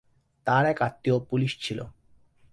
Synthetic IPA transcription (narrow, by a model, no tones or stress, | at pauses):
t̪aɾɛkat̪ːiopuliʃt͡ɕʰilo̰